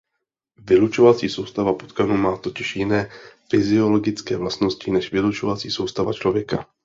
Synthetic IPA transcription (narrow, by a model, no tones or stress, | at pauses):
vɪlut͡ʃo̞vat͡siːso̞wst̪avapot̪kanuːmaːt̪o̞cɪʃjɪnɛːfɪzɪo̞lo̞ɡɪt͡skɛːvlast̪no̞scɪnɛʃvɪlut͡ʃo̞vat͡siːso̞wst̪ava̰t͡ʃlo̞vjɛka̰